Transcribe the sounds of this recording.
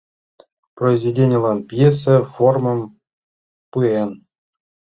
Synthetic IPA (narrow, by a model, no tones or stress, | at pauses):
proizvʲedʲenʲə̆lˠɑnpʲjes̬ʲɘformɤ̆m | pɯen